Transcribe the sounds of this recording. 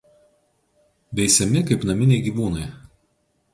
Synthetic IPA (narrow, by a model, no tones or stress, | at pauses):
bʲɛɪsʲɛmʲɪkɐɪpnɐmʲɪnʲɛɪɡʲiːʋuːnɐɪ